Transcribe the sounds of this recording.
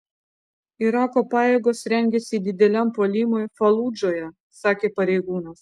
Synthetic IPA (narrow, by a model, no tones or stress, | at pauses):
ɪɾɑːkoːpɑːjeːɡoːsɾʲɛŋʲɡʲɛsʲid̪ʲɪd̪ʲɛlʲɛmpoːlʲiːmoːjfɐlˠuːd͡ʒoːjɛ | sɑːkʲeːpɐɾʲɛɪɡuːnɐs